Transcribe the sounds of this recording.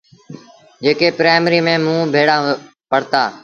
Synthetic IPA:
d͡ʒeːkeːpɾaːɪmɾiːmẽːmũːbʱeːɽãː | pəɽ̤t̪aː

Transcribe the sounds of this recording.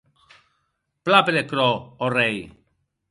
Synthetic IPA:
plapelekɾoːrej

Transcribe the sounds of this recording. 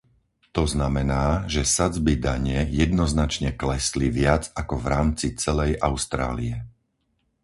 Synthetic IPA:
t̪ɔznamɛnaːʒɛsad͡zbid̪aɲɛjɛd̪nɔznat͡ʃɲɛklɛsliʋɪad͡zakɔvɾaːmt͡sit͡sɛlɛjʔaʊst̪ɾa̰ːliɛ

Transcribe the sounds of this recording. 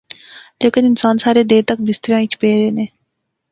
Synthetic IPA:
leːkɪnɪnsaːnsaːɾeːd̪eːt̪ək̚bɪst̪əɾjãːit͡ʃʰpeːɾeːneː

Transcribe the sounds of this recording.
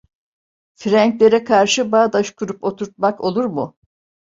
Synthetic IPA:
fiɾæɲclʲe̞ɾɛkʰaɾʃɯbaːd̪aʃkʰuɾupo̞t̪ʰuɾt̪̚makʰo̞lˠuɾmu

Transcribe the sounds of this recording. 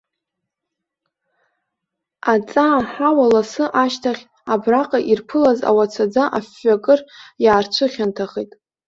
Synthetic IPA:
at͡sʼaːħawalasɨʔaʃtʰaχʲ | abraqʼaʔirpʰɨlaza̰wat͡sʰad͡zaʔafːakʼɨrjaːrt͡ʃʷʰɨχʲantʰaχejtʼ

